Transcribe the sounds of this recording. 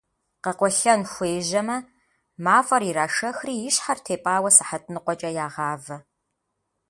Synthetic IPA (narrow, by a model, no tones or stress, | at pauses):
qɐqʷɔɬɐnxʷeːʒɐmɐ | maːfɐɾiɾaːʂɐxriːjɪɕħartʰeːpʼaːwɐsɨħɐtʰʼnɨqʷɔt͡ʃʼɐjaːʁɑːvɐ